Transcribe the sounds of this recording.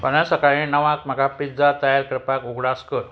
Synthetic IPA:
pənjãsəkaɭĩnəʋãkm̤əɡapid͡zat̪əjaɾkəɾpakoɡɽaskəɾ

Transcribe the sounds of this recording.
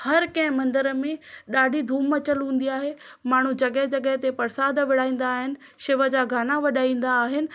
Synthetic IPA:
hɐɾkɐ̃ɦɪ̃mɐ̃nd̪əɾəmẽɗaːɖʱid̪ʱuːmət͡ɕɐlɦũːn̆d̪iaːɦemaːɳ̤ud͡ʑɐɠəɦd͡ʑɐɠəɦt̪epɐɾsaːd̪ʱʋɪɽ̤aːĩːn̆d̪aːɦɪnɪ̆ | ʃɪʋəd͡ʑaːɡʱaːnaʋɐɗaːĩːn̆d̪aːɦɪnɪ̆

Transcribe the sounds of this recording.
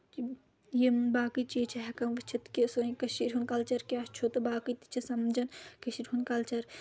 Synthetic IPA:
jembaːkɨt͡ʃit͡ʃʰiɦɛkɐmʋɐt͡ʃʰit̪kisoĩkɐʃiɾʲɦunkɐlt͡ʃɐɾkʲaːst͡ʃʰot̪ɐbaːkɨt̪i̥t͡ʃʰisɐmd͡ʒɐnkɐʃiɾʲɦunkɐlt͡ʃɐɾ

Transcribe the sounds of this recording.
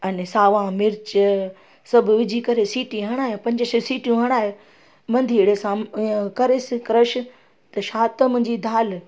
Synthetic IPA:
ɐnesaːʋãmɪɾt͡ɕ | sɐbʱʊʋɪd͡ʑʱikɐɾesiːʈĩɦɐɽ̃aːɦẽpɐ̃ɲd͡ʑəssiːʈijũɦɐɽ̃aːɦe | mɐ̃nd̪ʱiːɽesãkɐɾɪsɪkɾəʃ̆ | t̪ɐʃaːt̪mʊ̃ɦɪ̃ɲd͡ʑid̪ʱaːl

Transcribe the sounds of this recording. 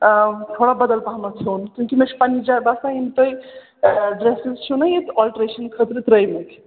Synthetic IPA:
t̪ʰoɽabəd̪əlpamat͡ʃʰonkʲũŋkimet͡ʃʰpanid͡ʒaɾbasaint̪əj | ɖɾesizt͡ʃʰunəjet̪ɔlʈɾeʃənkʰət̪ɾt̪ɾəjmek

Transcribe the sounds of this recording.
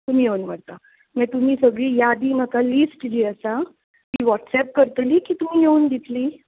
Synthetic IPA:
t̪um̤iːjeunməɽt̪a | mɛ̃t̪um̤iːsəɡɭiːjad̪iːm̤əkalisʈd͡ʑiːəsa | kiːʋɔʈsɛp̚kəɾt̪liːkiːt̪um̤iːjeuːnd̪it̪liː

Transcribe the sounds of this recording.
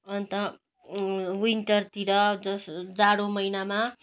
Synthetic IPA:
ʌnt̪ʌ | winʈʌrt̪iɾʌd͡zʌsd͡zaɽomʌjnama

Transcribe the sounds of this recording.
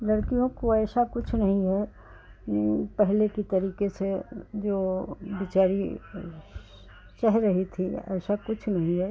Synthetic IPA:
lɐɽkijõkoɛːsakʊt͡ʃʰnɐɦĩɦɛ | pɛɦlekit̪ɐɾiːkesed͡ʒoːbɪt͡ʃaːɾi | t͡ʃɐɦɾɐɦit̪ʰiɛ̰ːsakʊt͡ʃʰnɐɦĩɦɛː

